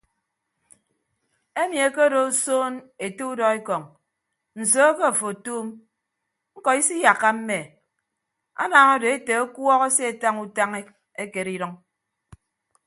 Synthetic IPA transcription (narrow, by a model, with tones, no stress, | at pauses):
e˦mi˨e˦ke˦do˨˦soː˦ne˨to˦u˦dɔ˨e˦kɔ˨ŋ | n̩˨soː˦ke˦˨fo˨tuː˦m | ŋ̩˦kɔ˨i˦si˦ja˨kːa˦m̩˦me˨ | a̰˦na˨ŋɔ˦do˨e˦te˨o˦kwɔ˦ɣɔ˦se˦e˨ta˦ŋu˦ta˦ŋe˦ | e˦ke˨ɾi˦ɾɔ˦ŋ